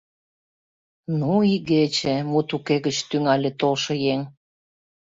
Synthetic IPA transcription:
nuiɣet͡ɕĕmut̪ukeɣət͡ɕt̪yŋɑlʲet̪olʃɤ̆jeŋ

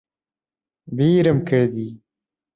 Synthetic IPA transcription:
biːɾəmkʰəɽd̪i

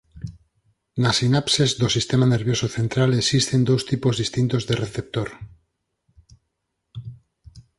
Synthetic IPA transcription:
nasinapsezðosist̪e̞mane̞ɾβjo̞soθe̞nt̪ɾaleksist̪e̞nd̪owst̪ipozðist̪int̪o̞zðe̞reθe̞p̚t̪oɾ

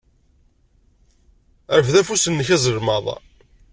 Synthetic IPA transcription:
əɾəfðæfusənːəçæzəɾmɑðˤɑ̰

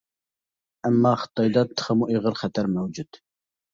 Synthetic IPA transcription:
æmːɑχə̥t̪ʰɑjd̪ɑt̪ʰə̥χəmuʔeʁəɾχɛt̪ʰæɾmɛwd͡ʒud̪̥

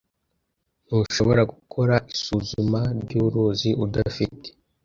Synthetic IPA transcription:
n̥uʃoβo̞ɾaɡukʰo̞ɾaʔisuzumaɾɟuɾuːziʔudafite̥

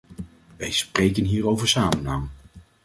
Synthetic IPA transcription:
ʋɛjsprejkənɦiːɾowvəɹsaːmənaw

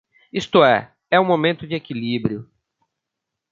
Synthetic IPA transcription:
ist̪ʊɛ | ɛũmomẽnt̪ʊd͡ʒɪekilibɾiʊ

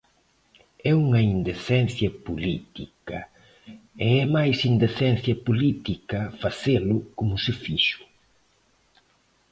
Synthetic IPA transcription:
ɛuŋɐind̪eθɛnθjɐpulit̪ikɐ̰ | eɛmajsind̪eθɛ̃nθjɐpulit̪ikɐfɐselʊkumʊsɪfiʃʊ̥

